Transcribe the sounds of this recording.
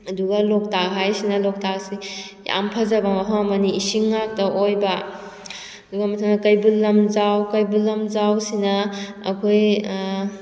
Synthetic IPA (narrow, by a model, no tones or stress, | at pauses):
ɐduɡɐlɔk̚takɦajsinɐlɔk̚tak̚si | ja̰mpʰɐzɐbamɐɦaɐmɐniːsiŋːak̚tɐʔojbɐ | duɡɐmɐtʰaŋnɐkɐjbulːɐmzawkɐjbulːɐmzawsinɐ̰ːkʰoj